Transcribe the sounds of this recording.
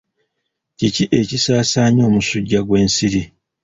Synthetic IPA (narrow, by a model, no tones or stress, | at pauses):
ciciʔe̞cisaːsaːɲo̞ːmusuɟːaɡwe̞ːnsiɾi